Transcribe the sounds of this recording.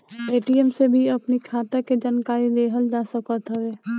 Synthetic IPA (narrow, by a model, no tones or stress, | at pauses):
eːʈiemsebʱiɐpnikʰaːt̪aked͡ʒaːnkaːɾileːɦəld͡ʒaːsəkət̪ɦoʋeː